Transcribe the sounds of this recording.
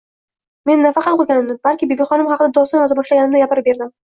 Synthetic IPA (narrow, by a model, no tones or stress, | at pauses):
me̞nːafɑqɑt̪qʰoɡʲanɪmnɪbalkʲɪbebiχɒnɪmhɑqʰɨd̪ad̪ɒst̪ɪmazabɒʃlaɡʲanɪmnɪɡʲapɪɾɪp̚be̞ɾd̪ɪm